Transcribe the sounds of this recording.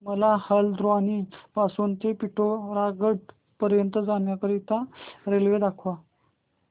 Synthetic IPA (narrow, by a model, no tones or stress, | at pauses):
məlahəld̪ɾoanipasuːnt̪epiʈoɾaɡəʈ | pəɾjənt̪əd͡zamjakəɾit̪aɾelʋed̪akʰʋa